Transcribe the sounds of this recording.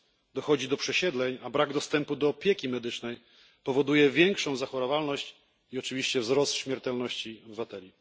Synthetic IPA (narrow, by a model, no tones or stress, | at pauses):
d̪ɔxɔd͡ʑid̪ɔpʂɛɕɛd̪lɛɲabɾaɡd̪ɔst̪ɛmpud̪ɔːpʲjɛkʲimɛd̪ɘt͡ʂnɛj | pɔvɔd̪ujɛvʲjɛŋkʂɔ̃w̃zaxɔɾɔvalnɔɕt͡ɕ | iɔt͡ʂɘvʲiɕt͡ɕɛvzɾɔst̪ɕmʲɛɾt̪ɛlnɔɕt͡ɕiɔbɘvat̪ɛlʲi